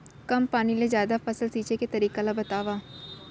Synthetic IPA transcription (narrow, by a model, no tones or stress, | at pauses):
kɐmpaːnilezjaːd̪afɐsəlsiːt͡ʃeket̪ɐɾiːkalabɐt̪aːʋaː